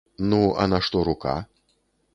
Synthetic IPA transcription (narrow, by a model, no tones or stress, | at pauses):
nuɐ̰naʂt̪ɔɾuka̰